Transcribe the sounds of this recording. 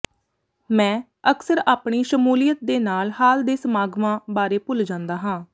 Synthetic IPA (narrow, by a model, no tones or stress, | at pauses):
mɛ̃ː | əksəɾaːpɳiːʃəmuːlijət̪̚d̪eːnaːlhaːld̪eːsəmaːɡmãːbaːɾeːpʊld͡ʒãːnd̪aːɦãː